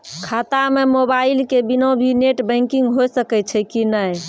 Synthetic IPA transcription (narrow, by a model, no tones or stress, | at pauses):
kʰat̪amemobailkebinõbʱineʈbə̃ŋkiŋɡɦojsəkɛt͡ʃʰɛkinəj